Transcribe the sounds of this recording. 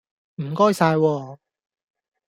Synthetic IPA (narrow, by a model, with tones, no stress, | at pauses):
m̩˨˩kɔː˥jsaː˧jwɔː˧